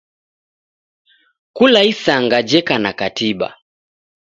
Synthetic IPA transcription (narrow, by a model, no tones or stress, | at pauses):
kulaisaŋɡad͡ʒɛkanakatiba̰